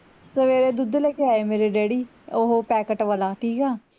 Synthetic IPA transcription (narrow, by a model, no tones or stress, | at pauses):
zəʋeːɾeːd̪ud̪lɛːkeaːeːmeːɾeːɖeːɽiː | oɦoːpɛːkəʈʋəlaːʈʰiːkɛː